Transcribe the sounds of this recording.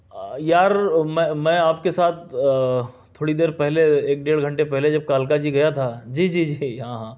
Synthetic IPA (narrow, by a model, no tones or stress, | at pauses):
jaːɾmɛ̃mɛ̃ːaːpkesaːt̪̚ʰ | t̪ʰːoːɽid̪eːɾpɛɦleeːk̚ɖeːɽɡʱɐ̃ɳʈepɛɦled͡ʒɐb̚kaːlkad͡ʒiɡɐjat̪ʰaːd͡ʒiːd͡ʒiːd͡ʒiːɦãɦãː